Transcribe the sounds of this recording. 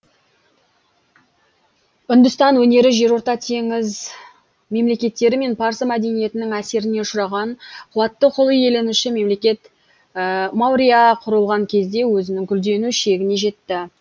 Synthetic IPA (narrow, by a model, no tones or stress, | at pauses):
ʏnd̪ʏst̪ɑnwɵne̞ɾɪʒe̞ɾwo̞ɾt̪ɑt̪ʰe̞ŋɪz | me̞mle̞kʲe̞t̪ːe̞ɾɪme̞npʰɑɾsəmæd̪e̞nije̞t̪ɪnɪŋæse̞ɾɪne̞ʃʊɾɑʁɑnqʰʊlˠɑt̪ːəqʰolˠije̞le̞nuʃɪme̞mle̞kʲe̞t̪ | mɑwɾʲijaqʰʊɾəlˠʁɑŋkʲʰe̞zd̪e̞wɵzɪnɪŋkʲʰʏld̪e̞nuʃe̞ɡʲɪne̞ʒe̞t̪ːɪ